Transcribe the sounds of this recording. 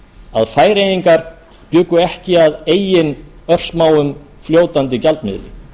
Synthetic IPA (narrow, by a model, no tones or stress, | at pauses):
a̰ðfaːjɾejiŋkaɾ̥ | pjʏːkʏɛhcɪaðeːjɪnœr̥smaːwʏm | fljoːwt̪ant̪ɪcalt̪mɪ̰ðɾɪ̰